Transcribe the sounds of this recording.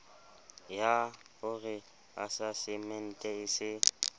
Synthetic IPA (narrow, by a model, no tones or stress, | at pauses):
ja | ʊɣɪ | asasɪmɛn̩tʼɛɪsɪ